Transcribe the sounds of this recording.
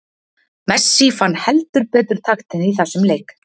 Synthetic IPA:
mɛsːifanːhɛlt̪ʏɾpɛːt̪ʏɾ̥t̪ʰaxt̪ɪniθasːʏmlejk

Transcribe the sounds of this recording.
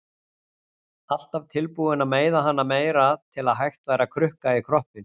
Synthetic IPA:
al̥t̪avt̪ʰɪlpuɪnameːjðaɦan̪ːameːjɾat̪ʰɪlaðɦajxt̪vaːjɾakʰɾʏhkaikʰɾɔhpɪn

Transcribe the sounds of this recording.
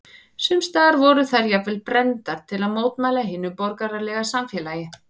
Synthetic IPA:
sʏmst̪aːɾvɔɾʏθaɾjavvɛlpɾɛnt̪aɾ̥t̪ʰɪlaðmoːwt̪maːjlaɦɪːnːʏpɔɾkaɾaɾlɛɣasamfjɛːlajɪ

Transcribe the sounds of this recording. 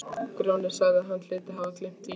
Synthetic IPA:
kɾownɛɾ̥saːɣðɪaðɦanːl̥ɪːt̪ɪɦavaklem̥t̪i

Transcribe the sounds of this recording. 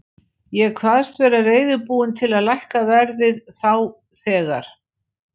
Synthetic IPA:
jɛkʰvaðst̪vɛːɾareːjðʏɾpuːwɪnt̪ʰɪlaðlajhkavɛɾðɪðθaw | θɛːɣa̰ɾ̥

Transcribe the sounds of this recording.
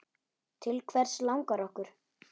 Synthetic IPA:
t̪ʰɪlkʰvɛɾ̥slawŋkaɾɔhkʏɾ̥

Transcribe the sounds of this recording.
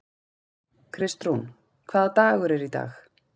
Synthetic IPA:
kʰɾɪst̪ɾun | kʰv̥aːðt̪aːɣʏɾɛɾit̪a̰ːx

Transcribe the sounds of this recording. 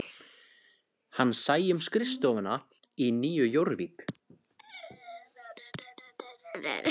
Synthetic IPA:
hanːsaːjʏmskɾɪst̪ɔːvana | iniːjʏjowɾviːk

